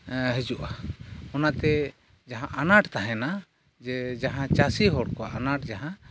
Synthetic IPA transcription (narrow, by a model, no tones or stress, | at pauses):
ɦɛd͡ʒuʔaɔnat̪ɛ | d͡ʒaɦãʔanaʈt̪aɦɛna | d͡ʒɛd͡ʒaɦãt͡ʃasiɦɔɽkɔaʔanaʈd͡ʒaɦã